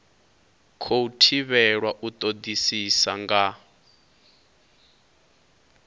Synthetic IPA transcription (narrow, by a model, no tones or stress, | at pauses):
kʰoutʰiβɛɺwaʔut̪ʼod̪isisaŋɡa